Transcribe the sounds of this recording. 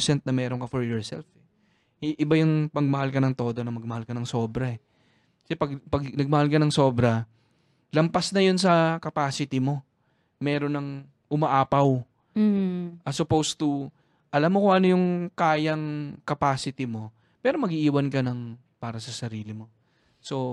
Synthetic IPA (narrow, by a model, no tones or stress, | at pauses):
sɛnt̪̚nɐmɛːɾoŋkɐfɔɹjoɹsɛ̰lfɛ | ʔɪbajʊŋpɐɡ̚mɐhalkɐnɐŋt̪o̞ːd̪o̞nɐmɐɡ̚mɐhalkɐnɐŋso̞ːbɾɐɛ | kɐsɛpɐɡpɐɡnɐɡ̚mɐhalkɐnɐŋso̞ːbɾɐ | lɐmpɐsnɐjons̬ɐkɐpaːsɪt̪ɪmo̞ | mɛːɾonɐŋ | ʔʊmɐʔaːpɐw | ʔɐsʊpowst̪u | ʔɐlamːokoʔɐnojʊŋkaːjɐŋkɐpaːsɪt̪ɪmo̞ | pɛːɾo̞mɐɡiʔiːwɐnkɐnɐŋ | paːɾɐsɐsɐɾiːlɪmo̞ | so̞